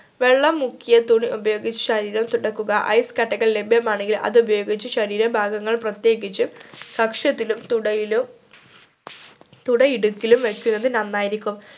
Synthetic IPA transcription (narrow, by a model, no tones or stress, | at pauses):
ʋe̞ɭːɐmːukʰːijɐt̪uɳiʔubɐjo̞ːɡit͡ɕːɨ̥ɕɐɾiːɾɐmt̪uɽɐkːuɣɐʔɐ̰jskɐʈːɐɣɐɭle̞bʱjɐmaːɳeŋɡilʔɐ̰ðubɐjo̞ːɡit͡ɕːɨɕɐɾiːɾɐmbʱaːɡɐŋːɐɭprɐt̪je̞ːɡit͡ɕːukɐkʂɐt̪ːilumt̪uɽɐjilu | t̪uɽɐiɽukːilumʋekʲːunːɐðɨnɐnːaːjiɾikʲːum